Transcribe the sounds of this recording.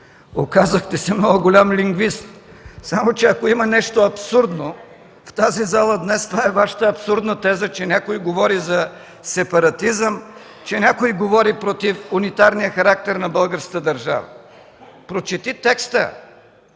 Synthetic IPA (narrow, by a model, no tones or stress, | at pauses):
o̰kazəxt̪ɛsɛmnɔɡʊɡolʲamliŋɡvist̪samot͡ʃɛɐkoimɐnɛʃt̪oɐpsuɾd̪no | ft̪azizalˠəd̪nɛst̪ovaɛvaʃə̥t̪əɐpsuɾd̪nət̪ɛzət͡ʃɛnʲakojɡovɔɾizɐ | sɛpɐɾɐt̪izəm | t͡ʃɛnʲakojɡovɔɾipɾot̪ifunit̪aɾnijəxɐɾak̚t̪ɛɾnɐbəlˠɡəɾskət̪əd̪ɐɾʒa̰və̰ | pɾot͡ʃɛt̪it̪ɛkst̪ə̰